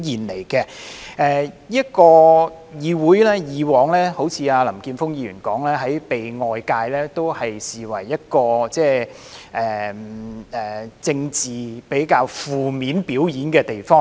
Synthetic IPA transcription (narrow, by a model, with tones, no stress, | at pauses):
jiː˨nle˨˩jkɛ˧ʔɛː˨˧jiː˥tkɔː˧ | jiː˨˧wuː˨˥jlɛː˥jiː˨˧wɔː˨˥ŋlɛː˥ho˨˥wt͡sʰiː˧aː˧lɐ˨˩mkiː˧nfʊ˥ŋjiː˧jyː˨˩nkɔː˨˥ŋlɛː˥ɦɐ˨˥jpe˨jŋɔː˨˧jkaː˧jlɛː˥t̪o˥whɐ˨jsiː˨wɐ̰˨˩jːɐ˥t̚kɔː˧t͡sɛː˥˧ | ʔɛː˨ | ɛː˨˩t͡sɪ˧ŋt͡siː˨pe˨˥jkaː˧wfuː˨˩miː˨˥npiː˨˥wjiː˨˥nkɛː˧t̪e˨jfɔː˥ŋ